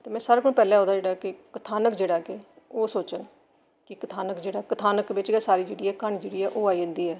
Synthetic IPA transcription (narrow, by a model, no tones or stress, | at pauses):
t̪eːmɛ̃ːsaːɾːkʊɽ̃pɛːlɛ̃ːɦɔ̃ːd̪aːd͡ʒeːɽakɪkət̪ʰaːnəkd͡ʒeːɽaːke | oːsoːt͡ʃən | kɪkət̪ʰaːnəkd͡ʒeːɽaːkət̪ʰaːnəkʋɪt͡ʃɡɛːsaːɾiːd͡ʒeːɽiːɛːkaɳ̃iːd͡ʒeːɽiːɛːʔoːaːiːdənd̪iːɛː